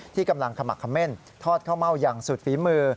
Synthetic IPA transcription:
t̪ʰiː˥˩ka˧mla˧ŋkʰa˧ma˨˩kʰːa˧mːe˥˩n | t̪ʰɔː˥˩t̪̚kʰa˥˩wma˥˩wja˨˧ŋsu˨˩t̪̚fiː˩˦mɯː˧

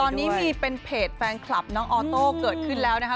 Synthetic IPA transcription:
t̪ɔː˧nnːiː˦˥miː˧pe˧npʰeː˨˩t̪̚fɛː˧nkʰla˨˩p̚nɔː˦˥ŋʔɔː˧t̪oː˥˩kɤː˨˩t̪̚kʰɯ˥˩nlɛː˦˥wna˦˥kʰa˥

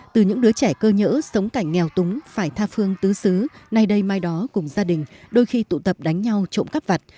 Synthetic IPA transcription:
t̪ɨ˨˩ɲɨ̰˧˥ŋɗɨ˨˦ət͡ɕɛ˧˩kəː˧ɲə̰ː˧˥sə˨˦wŋ͡mka˧˩jŋ̟ːɛ˨˩wt̪ʊ˨˦ŋ͡mfaː˧˩jt̪ʰaː˧fɨ˧əŋt̪ɨ˨˦sɨ˨˦na˧jɗə˧jmaː˧jɗɔ˨˦kʊ˨˧˩ŋ͡mzaː˧ɗï˨˩ŋ̟ɗo˧jxi˧t̪ṵ˧˨t̪ə˨˩p̚ɗa˨˦ŋ̟ɲa˧wt͡ɕo̰˧˨nka˦˥p̚va˨˩t̚

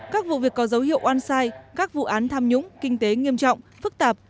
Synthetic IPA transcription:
kaː˦˥k̚vṵ˧˨vi˨˩əkːɔ˨˦zə˨˦wɦḭ˧˨əwʔwaː˧nsaː˧jkaː˦˥k̚vṵ˧˨ʔaː˨˦nt̪ʰaː˧mɲʊ̰˧˥ŋ͡mkï˧ŋ̟t̪e˨˦ŋi˧əmt͡ɕɔ̰˧˨wŋ͡mfɨ˦˥k̚t̪aː˨˩p̚

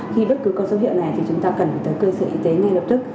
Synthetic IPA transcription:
xi˧ɓə˦˥t̚kɨ˨˦kɔ˧˦zo˨˦hḭ˧˨wna˨˩jt̪ʰi˨˩t͡ɕʊ˨˦ŋ͡mt̪aː˧kə˨˩nfa˨˩t̪ə˨˦jkəː˧səː˧˩ʔi˨˦t̪e˨˦ŋa˧jlə˨˩p̚t̪ɨ˦˥k̚

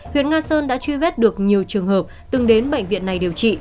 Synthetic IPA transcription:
hwḭ˧˨ənŋaː˧səː˧nɗa̰ː˧˥t͡ɕwi˧vɛ˦˥t̚ɗɨ˨˩ək̚ɲi˨˩əwt͡ɕɨ˨˩əŋɦəː˨˩p̚t̪ɨ˨˩ŋɗe˨˦nɓə̰˧˨jŋ̟vḭ˧˨ənːa˨˩jɗi˨˩əwt͡ɕḭ˧˨

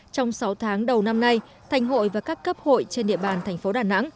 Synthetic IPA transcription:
t͡ɕɔ˧wŋ͡msa˨˦wt̪ʰaː˨˦ŋɗə˨˩wna˧mna˧j | t̪ʰa˨˩jŋ̟ɦo̰˧˨jvaː˨˩kaː˦˥kːə˦˥p̚ho̰˧˨jt͡ɕe˧nɗḭ˧˨əɓaː˨˩nt̪ʰɛ˨˩ŋ̟fo˨˦ɗaː˨˩na̰˧˥ŋ

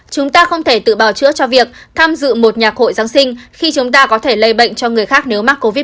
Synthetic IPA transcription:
t͡ɕʊ˨˦ŋ͡mt̪aː˧xə˧wŋ͡mt̪ʰe˧˩t̪ɨ̰˧˨ɓaː˨˩wt͡ɕɨ̰˧˥ət͡ɕɔ˧vi˨˩ək̚t̪ʰaː˧mzɨ̰˧˨mo˨˩t̚ɲaː˨˩k̚ho̰˧˨jzaː˨˦ŋsï˧ŋ̟xi˧t͡ɕʊ˨˦ŋ͡mt̪aː˧kɔ˨˦t̪ʰe˧˩lə˧jɓə̰˧˨jŋ̟t͡ɕɔ˧ŋɨ˨˩əjxaː˦˥k̚ne˨˦wmaː˦˥k̚ːo˧vi˦˥

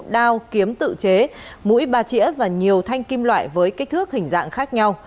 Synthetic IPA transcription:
ɗaː˧wki˨˦əmt̪ɨ̰˧˨t͡ɕe˨˦mṵ˧˥jɓaː˧˩t͡ɕḭ˧˥əvaː˨˩ɲi˨˩əwt̪ʰa˧jŋ̟ki˧mlwa̰ː˧˨jvəː˨˦jka˦˥t̪ʰɨ˦˥ək̚hï˨˩ŋ̟za̰ː˧˨ŋxaː˦˥k̚ɲa˧w

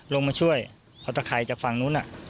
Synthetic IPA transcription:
lo˧ŋmaː˧t͡ɕʰu˥˩əj | pʰa˧˩t̪ɔa˧˩kʰa˧˩jt͡ɕaː˨˩k̚fa˧˩ŋnuː˦˥nʔa˧˩ʔ

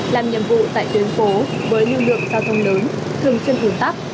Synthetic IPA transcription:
laː˨˩mɲḭ˧˨əmvṵ˧˨t̪a̰ː˧˨jt͡ɕ̪wi˨˦ŋfo˨˦vəː˨˦jɲu˧lɨ̰˧˨əŋzaː˧wt̪ʰə˧wŋ͡mləː˨˦n | t̪ʰɨ˨˩əŋswi˧ənhu˧˩nt̪a˦˥k̚

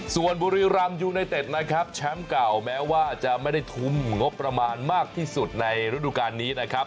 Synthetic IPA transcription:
su˨˩ənbuː˧ɾiː˧ɾa˧mjuː˧na˧jt̪e˨˩t̪̚na˦˥kʰa˦˥p̚t͡ɕʰɛ˦˥mka˨˩wmɛː˦˥waː˥˩t͡ɕa˨˩ʔma˥˩jda˥˩jt̪ʰu˦˥˩mŋo˦˥pːɾa˧maː˧nmaː˥˩k̚t̪ʰiː˥˩su˨˩t̪̚na˧jɾa˦˥duː˨kaː˧nːiː˦˥na˦˥kʰa˦˥p̚

